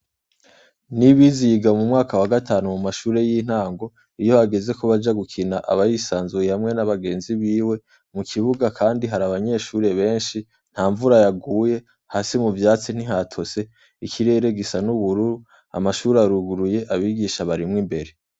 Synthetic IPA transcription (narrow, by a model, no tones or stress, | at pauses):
niβizijiɡamumŋaːkawaɡatʰaːnumumaʃuːɾe̞jiːn̥haːŋɡo̞ | ijo̞haɡe̞ze̞koβad͡ʒaɡukʰinaʔa̰βajisaːnzujehamŋe̞naβaɡe̞ːnziβiːwe̞ | mukʰiβuɡakʰaːndiɦaɾaβaɲe̞ʃuːɾe̞βe̞ːnʃi | n̥haːɱvuɾajaɡuːje̞ | hasimuvjaːt͡sin̥iɦatʰo̞se̞ | ikʰiɾe̞ːɾe̞ɡisanuβuɾuɾu | a̰maʃuːɾeaɾuɡuɾuje̞ʔaβiːɡiʃaβaɾimŋimbe̞ɾe̞